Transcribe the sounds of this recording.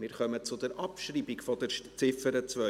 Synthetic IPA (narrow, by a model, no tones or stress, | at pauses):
mɪːɾχœmət͡sʊd̪ɛɾʔɑpʃɾibɪkfɔd̪ɛɾt͡sɪfəɾət͡sʋœ